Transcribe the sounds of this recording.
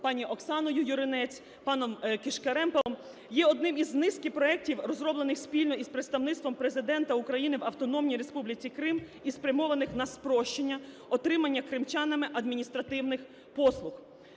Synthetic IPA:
pɑnʲiʔɔksɑnɔjʊjʊɾɪnɛt͡sʲ | pɑnɔmkɪʃkɐɾɛmpoɔm | jɛɔd̪̚nɪmiznɪskɪpɾɔɛk̚tʲiwrɔzɾɔblˠenɪxspʲilʲnɔispɾet̪st̪ɐwnɪt̪st̪ʋɔmpɾe̞zɪd̪ɛnt̪ɐukɾɐjinɪwɐwt̪ɔnɔmnʲiɾe̞spublʲɪt͡sʲikɾɪm | ispɾʲɐmɔʋɐnɪxnɐspɾɔʃt͡ʃenʲːɐ | ɔt̪ɾɪmɐnʲːɐkɾɪmt͡ʃɑnɐmɪʔɐd̪mʲinʲist̪ɾɐt̪ɪwnɪx | pɔslˠʊx

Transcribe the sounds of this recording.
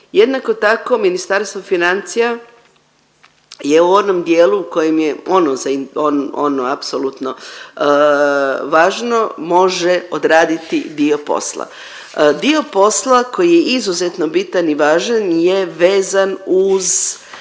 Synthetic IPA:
jed̪nako̞t̪ako̞minist̪aɾst̪ʋofinant̪sija | je̞uo̞d̪nomd̪jeːluːko̞jemjeonozaiononoapsolut̪no̞ | ʋaːʒno̞mo̞ʒeo̞d̪ɾaːd̪it̪id̪io̞po̞̰slˠa̰ | d̪io̞po̞slˠako̞jijeizuzet̪no̞bit̪aniʋaːʒanje̞ʋe̞ːzanuz

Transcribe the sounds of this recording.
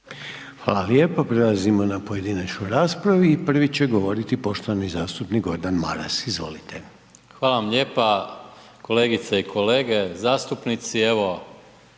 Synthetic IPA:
xʋa̰ːlˠaljeːpapɾelˠazimo̞napoje̞d̪inat͡ʃnojɾaːspɾaʋiːpr̩ʋit͡ɕe̞ɡo̞ʋo̞ɾit̪ipo̞ʃt̪oʋamizaːst̪upnikɡo̞ɾd̪anma̰ɾa̰sizʋo̞̰lit̪ʰe̞ | xʋaːlaʋamʎeːpa | ko̞leːɡit̪seikʰo̞leːɡezaːst̪upnit̪sieʋo

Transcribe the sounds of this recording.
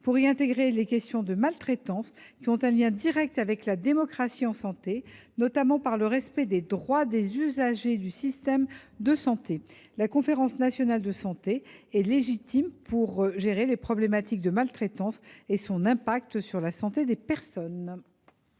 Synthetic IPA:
puʁiɛ̃t̪eɡʁelekʲɛst̪jɔ̃d̪əmalt̪χet̪ɑ̃skʲiɔ̃t̪ɛ̃ljɛ̃d̪iʁɛk̚t̪avɛklad̪emɔkχasiɑ̃sɑ̃t̪enɔt̪amɑ̃paʁləʁɛspɛd̪ed̪ʁwad̪ezyzaʒed̪ysist̪ɛmd̪əsɑ̃t̪e | lakɔ̃feʁɑ̃snasjɔnald̪əsɑ̃t̪eɛleʒit̪impʰuʁʒeʁelepχɔblemat̪ik̚d̪əmalt̪χet̪ɑ̃sesɔ̃nɛ̃pak̚t̪syʁlasɑ̃t̪ed̪epɛʁsɔn

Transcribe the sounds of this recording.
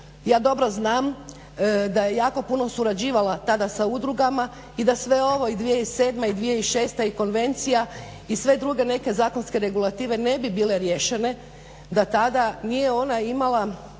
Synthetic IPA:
jaːd̪o̞bɾo̞znaːm | d̪aje̞jaːko̞puno̞suɾad͡ʑiːʋalat̪ad̪asaud̪ɾuɡama | id̪asʋe̞o̞ʋo̞id̪ʋijeise̞ːd̪maid̪ʋijeiʃe̞ːst̪aiko̞nʋe̞nt̪sija | isʋe̞d̪ɾuɡe̞ne̞ke̞zaːko̞nske̞ɾe̞ɡulˠat̪iːʋene̞bibiːle̞ɾje̞ʃe̞ne̞ | d̪at̪ad̪anije̞o̞naimalˠa

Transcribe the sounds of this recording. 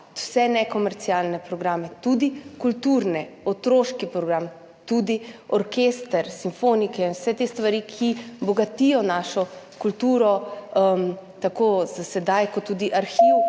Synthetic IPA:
w̥sɛnɛkɔmɛɾt̪siaːlnɛpɾɔɡɾaːmɛt̪ud̪ikult̪uɾnɛɔt̪ɾoːʃkipɾɔɡɾam | t̪ud̪iɔɾkeːst̪əɾsiɱfonikɛinwsɛt̪est̪ʋaɾikʰibɔɡat̪ijɔnaːʃɔ | kult̪uːɾɔəmt̪akoz̥asɛd̪ajkɔt̪ːuːd̪iʔaɾxiw

